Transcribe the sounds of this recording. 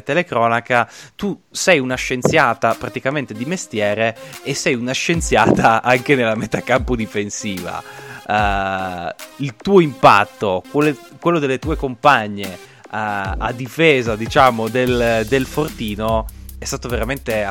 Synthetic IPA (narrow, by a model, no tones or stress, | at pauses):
t̪elekɾɔːnakat̪usɛjunaʃent̪sjaːt̪apɾat̪ikament̪ed̪imest̪jɛːɾeːsːɛjunaʃent̪sjaːt̪aaŋk̟enelːamet̪akampod̪ifensiːva̰ | ilt̪uːoimpa̰t̪ːokwelːe | kwelːod̪elːet̪uːekompaɲːe | a̰d̪ːifeːzad̪it͡ʃaːmod̪eld̪elfort̪iːnoɛst̪aːt̪oveɾament̪e